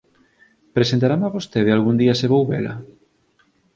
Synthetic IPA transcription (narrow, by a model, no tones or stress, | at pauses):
pɾesent̪aɾamaβost̪eðealɣund̪iɐseβowβelɐ̰